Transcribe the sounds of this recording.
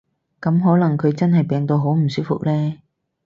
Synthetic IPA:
kɐ˨˥mɦɔː˨˥lɐ˨˩ŋkʰɵ˨˧ɥt͡sɐ˥nɦɐ˨jpɛː˨˧ŋt̪o˧wɦo˨˥wm̩˨˩syː˥fʊ̰˨k̚lɛː˥

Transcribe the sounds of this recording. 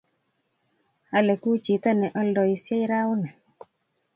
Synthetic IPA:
a˦lɛ˨ku˦t͡ʃi˨t̪ɔ˦nɛ˨ʔɔ˦ldɔ˨i˨sɛ˦jɾa˦ʊ˦nɛ˨

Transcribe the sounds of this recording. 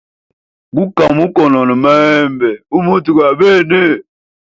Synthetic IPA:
ɡu˦ka˨mu˦kɔ˨nɔ˨nɔ˨ma˦ɛ˦mbɛ˨u˦mu˦tu˨ka˨be˦˨ne˦˨

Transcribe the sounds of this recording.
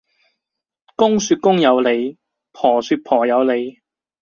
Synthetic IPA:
kʊ˥ŋsyː˧t̚kʊ˥ŋjɐ˨˧wle˨˧j | pʰɔː˨˩syː˧t̚pʰɔː˨˩jɐ˨˧wle˨˧j

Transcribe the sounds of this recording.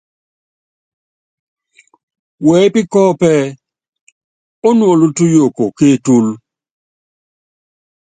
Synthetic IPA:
wɛ˨˦pɪ˦kɔ˦pɛ˦ | o˦nwo˨lu˦tu˦jo˨ko˨ke˦˨tu˦l

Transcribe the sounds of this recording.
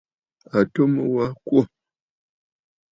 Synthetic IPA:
a˨to˦mə˦wa˦kwo˦˨

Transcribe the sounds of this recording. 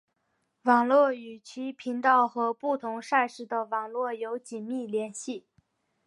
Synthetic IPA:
wɑ˨˩ŋlwɔ˥˩y˨˩t͡ɕʰi˧˥pʰi˧˥nt̪ɑ˥˧ʊxɤ˧˥pu˥˩t̪ʰʊ˧˥ŋʂa˥˧ɪʂɻ̩˥˩d̪ə˩wɑ˨˩ŋlwɔ˥˩jo˧˥ʊt͡ɕi˨˩nmi˥˩ljɛ˧˥nɕi˥˩

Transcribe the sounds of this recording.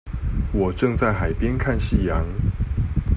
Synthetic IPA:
wɔ˨˩ʈ͡ʂɤ˥˧ŋt͡sa˥˩ɪxa˨˩ɪpjɛ˦nkʰa˥˨nɕi˥˩jɑ˧˦ŋ

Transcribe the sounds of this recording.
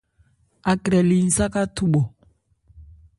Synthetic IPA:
a˨kɾɛ˨li˨n̩˨sa˦ka˦tu˦ɓɔ˨

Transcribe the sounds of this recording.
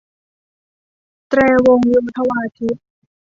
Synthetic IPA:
t̪ɾɛː˧wo˧ŋwu˧nt̪ʰa˧waː˧t̪ʰi˦˥t̪̚

